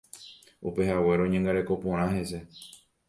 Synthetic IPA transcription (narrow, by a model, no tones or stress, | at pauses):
upe̞hawe̞ɾõɲãŋɡaɾe̞ko̞põɾ̃ãɦe̞se̞